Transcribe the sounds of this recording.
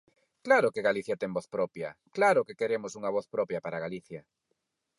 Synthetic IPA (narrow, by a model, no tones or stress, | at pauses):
klaɾʊkeɣaliθjɐt̪ɛŋbɔθpɾɔpjɐ̰klaɾʊkekeɾemʊsuŋɐβ̞ɔθpɾɔpjɐpaɾaɣaliθjɐ